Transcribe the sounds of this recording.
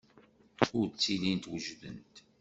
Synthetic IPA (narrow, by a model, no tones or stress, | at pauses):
ʊɾt͡sːilint̪wəʒðə̰nt̪